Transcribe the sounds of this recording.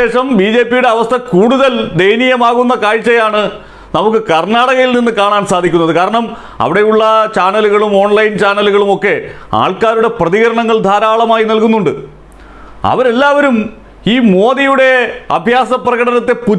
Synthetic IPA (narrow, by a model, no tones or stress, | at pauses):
eːʂɐmbiːd͡ʑe̞ːpːijuɽe̞ɐʋɐst̪ʰɐkuːɽuðɐld̪ejnijɐmaːɣunːɐkaːɻt͡ɕːɐjaːɳɨ | nɐmukːɨkɐrnaːɽɐɣɐjilninːɨkaːɳaːnsaːd̪ʱikʲːunːɐðɨkaːɾɐɳɐm | ɐ̰ʋiɽe̞juɭːɐt͡ɕaːnɐluɣɐɭumo̞ːɳlɐjnt͡ɕaːnɐluɣɐɭumo̞kːe̞a̰ːɭkaːɾuɽe̞prɐðiɣɐɾɐɳɐŋːɐɭd̪ʱaːɾaːɭɐmaːjinɐlkunːuɳɖɨ | ɐ̰ʋɐɾe̞lːaːʋɐɾum | iːmo̞ːðijuɽe̞ɐ̰bʱjaːsɐprɐɣɐɽɐnɐt̪ːe̞pu